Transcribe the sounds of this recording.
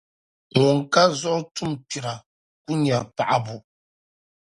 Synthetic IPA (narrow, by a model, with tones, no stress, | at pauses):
ŋɔ˨ŋ˨ka˦zɔ˦ʔtu˦mpi˨ɾa˨ | ku˦ɲa˨pa˨ʔa˨bu˨